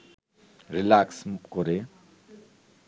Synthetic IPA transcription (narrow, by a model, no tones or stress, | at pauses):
ɾilaksmkoɾe